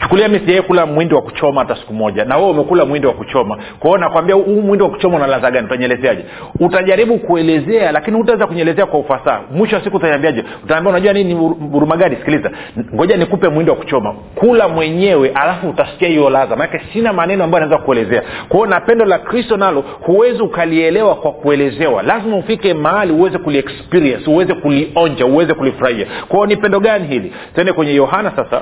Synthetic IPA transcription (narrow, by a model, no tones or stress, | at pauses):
t͡ʃu̥kuliamisijɛjɛkulamwindiwaku̥t͡ʃɔmahatasi̥kumɔʄanawɛɛumɛkulamwindiwakut͡ʃɔma | kwaɔnakwambiauhumwindiwaku̥t͡ʃɔmaunalazaɡaniutaɲɛlɛzɛaʄɛ | utaʄaɾiɓukuɛlɛzɛalakinihutaɛzakuɲɛlɛzɛakwaufasaːmwiʃɔwasikuutaɲambiaʄɛ | utaːmbiaunaʄuwaniniuɾumaɡaɗisi̥kiliza | ŋɡɔʄanikupɛmwindiwaku̥t͡ʃɔma | kulamwɛɲɛwɛʔalafuutasi̥kiahijɔlazamanakɛsinamanɛnɔambajanaɛzakuɛlɛzɛakwaɔnapɛndɔlakɾistɔnalɔ | huwɛziukaliɛlɛwakwakuɛlɛzɛwa̰lazimaufikɛmaaliuwɛzɛkuliɛkspiɾiɛnsuwɛzɛkuliɔɲd͡ʒauwɛzɛkulifuɾahia̰kwaɔnipɛndɔɠaniɦili | sɛndɛkwɛɲɛjɔɦanasasa̰